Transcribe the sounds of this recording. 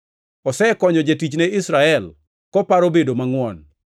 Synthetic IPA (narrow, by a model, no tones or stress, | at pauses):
ɔsɛkɔɲɔd͡ʒetit͡ʃneɪsɾaɛl | kɔpaɾobedomaŋwɔn